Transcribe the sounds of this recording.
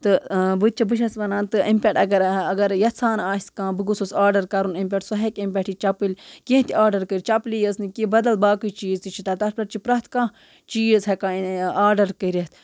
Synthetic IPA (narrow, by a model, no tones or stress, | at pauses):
t̪ɨbɨt͡ʃʰibɨʃɐsʋɐnaːnt̪ɨimpʲeʈɐɡɐɾɐɡɐɾjɐt̪sʰaːnaːskãːbɨɡususaːɾɖɐɾkɐɾunimʲp̬ʲeʈsɐɦekempʲeʈʰit͡ʃɐpɨlʲkẽɦt̪iaːɾɖɐɾkɨɾʲt͡ʃɐplijəsnɨkibɐd̪ɐlbaːkɨt͡ʃiːzt̪it͡ʃʰit̪aːt̪ɐspʲɐʈt͡ʃipɾɐt̪ʰkãː | t͡ʃiːzɦɐkãːnaːɾɖɐɾkəɾʲɐt̪ʰ